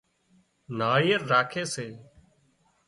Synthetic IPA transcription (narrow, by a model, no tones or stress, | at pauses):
naːjːəɾːaːkʰeːseː